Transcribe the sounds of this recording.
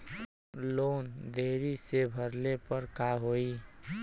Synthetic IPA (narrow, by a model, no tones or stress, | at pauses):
lond̪ʱeɾisebʱəɾlepəɾkaɦoi